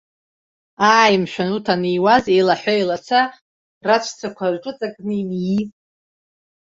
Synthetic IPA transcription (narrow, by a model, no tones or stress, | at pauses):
aːjmʃᶣanutʰaniwazejlaħʷajlat͡sʰa | rat͡ʃʷʰt͡sʰakʷʰaʈ͡ʂʼɨt͡sʼakʼnimji